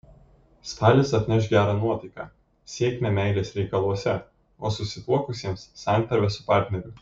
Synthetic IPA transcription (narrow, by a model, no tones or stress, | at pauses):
st̪ɑːlʲɪsɐt̪ʲnʲɛʃɡʲæːɾɑːnuɔt̪ɐɪkɑ̰ː | sʲiɛkʲmʲɛmʲɛˑɪlʲeːsɾʲɛɪkɐlˠuɔsʲɛ | oːsʊsʲɪt̪uɔkʊsʲiɛmssɑˑnʲt̪ɐɾʲʋʲɛsʊpɑːˑɾʲt̪ʲnʲɛɾʲʊ